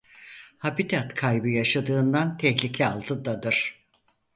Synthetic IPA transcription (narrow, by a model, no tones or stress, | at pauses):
habit̪ʰat̪kʰajbɯjaʃad̪ɯːnd̪ant̪ʰɛçlʲicʰɛalˠt̪ʰɯd̪ad̪ɯɾ̥